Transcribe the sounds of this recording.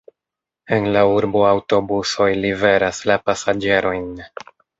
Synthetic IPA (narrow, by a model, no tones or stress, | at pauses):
e̞nlauɾboawto̞buso̞jlive̞ɾaslapasad͡ʒe̞ɾo̞jn